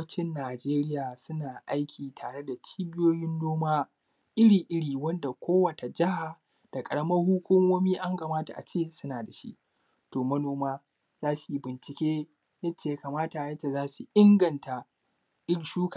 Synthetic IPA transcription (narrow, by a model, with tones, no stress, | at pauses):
t͡ʃɪ˦nːaː˨d͡ʒeː˦ɾɪ˦jaː˨sʊ˦naː˨ʔa˦jkʲʰiː˨tʰaː˨ɽe˦da˨t͡ʃiː˦bɪ˦joː˦jɪ˦nːoː˦maː˦ | ʔɪ˦ɽiː˨ʔɪ˦ɽiː˨wɐ˦nda˨kʷoː˦wɐ˨ta˨d͡ʒɪ˦ha˨ | d̥a˨kʼɐ˨ɽɐ˦mɐ˦hʊ˦kʷʊ˦moː˦miː˦ʔa˦ŋka˨maː˦ta˨ʔa̰˨t͡ʃeː˦˨sʊ˦naː˨da˨ʃḭ˦ʔ | toː˨mɐ˦noː˨maː˦ | zaː˦su˨˦bɪ˨nt͡ʃɪ˨kʲeː˦ | jɐ˦t͡ʃːeː˦ja˦kaː˨maː˦ta˨jɐ˦t͡ʃːe˨zaː˦su˨ʔɪ˦ŋɡɐ˨nta˨ | ʔɪ˦ɽʃuː˦ka˨